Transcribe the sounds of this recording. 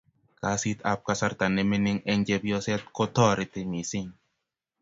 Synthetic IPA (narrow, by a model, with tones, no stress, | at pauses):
ka˨˦si˦t̪a˦p̚ka˦sa˦ɾt̪a˨nɛ˦me˦ni˦ŋɛ˦ɲd͡ʒɛ˦bjɔ˦sɛ˦t̪̚kɔ˦t̪ɔ˦ɾɪ˨t̪e˨mi˨si˦ŋ